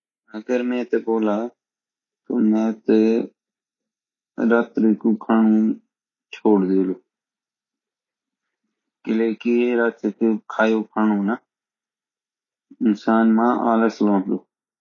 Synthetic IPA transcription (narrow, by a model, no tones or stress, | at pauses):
əɡəɾmɛ̃ːt̪eboːlaː | t̪oːmɛ̃ːt̪e | ɾaːt̪ɾikuːkʰaːɳũː | t͡ʃʰoːɽd̪eːloː | kɪleːkɪeɾat̪ːkːkʰaːjoːkʰaːnũːna | ɪnsaːnmãːʔaːləslõːloː